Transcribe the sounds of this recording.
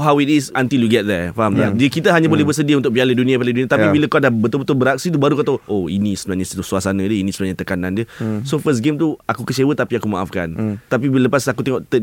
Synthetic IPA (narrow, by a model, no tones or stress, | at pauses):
ɦawitisə̃nt̪iljuɡɛt̪̚d̪ɛfaɦamadiəkit̪əɦaɲabolɛhbəs̬ədiaunt̪ʊk̚bialədunĩapaladuniat̪apibiləkadahbət̪ʊlbət̪ʊlbəɾak̚sit̪ubaɾukat̪awoḭnĩsəbənaʔɲast̪usuasanədiəinĩsəmənaɲat̪əkanãndiəsofəs̬ɡemt̪uakukət͡ʃewət̪apiakumaʔa̰fka̰nt̪apibiləpasakut̪ɛŋɔʔt̪ə